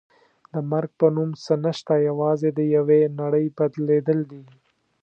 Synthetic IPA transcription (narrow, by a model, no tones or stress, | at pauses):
d̪əmaɾɡ̚pənumsənəʃt̪ajawɑzed̪əjawenaɽəjbad̪led̪əld̪i